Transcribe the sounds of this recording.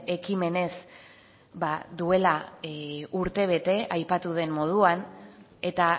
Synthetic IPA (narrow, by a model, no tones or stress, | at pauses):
e̞kime̞ne̞s | baðue̞la | uɾt̪e̞β̞e̞t̪e̞ajpat̪uð̞e̞mmo̞ð̞uan | e̞t̪a